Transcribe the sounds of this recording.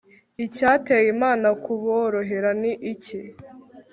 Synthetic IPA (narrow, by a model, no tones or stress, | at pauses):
icaːte̞ːjimaːnakuβoɾo̞ɦeɾaniʔːci